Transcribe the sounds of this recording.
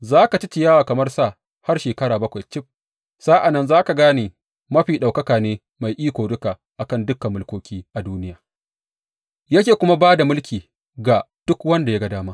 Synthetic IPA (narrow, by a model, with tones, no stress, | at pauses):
zaː˦ka˨tɪ˦t͡ʃɪ˨jaː˦waː˨kɐ˨mɐ˦rsa˦˨ | ha˦rʃeː˨kɐ˦ɽaː˨bɐ˦kʷa˨jt͡ʃɪ˦ɸ̚ | saː˦ʔa˨nːɐ˦nzaː˦ka˨ɡaː˦niː˨ | mɐ˦ɸiː˨ɗa˨wkɐ˦kaː˨neː˦ | ma˨jʔiː˦kʷoː˨dʊ˦kaː˨ | ʔa˨kɐ˦˨ndʊ˦kːɐ˨mːʊ˦lkʷoː˦kʲiː˦ʔa˨duː˦nɪ˦jaː˨ | jɐ˦kʲeː˨kʷʊ˦ma˦baː˦da˨mʊ˦lkʲiː˨ | ɡa˨ | d̥ʊ˦kwɐ˦nda˨ja˦ɡɐ˦daː˦maː˦ʔ